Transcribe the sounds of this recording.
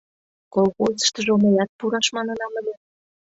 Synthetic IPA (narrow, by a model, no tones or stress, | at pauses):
kolɣozə̥̆ʃt̪ə̆ʒooməjɑt̪̚puɾɑʃmɑnə̆nɑməlʲe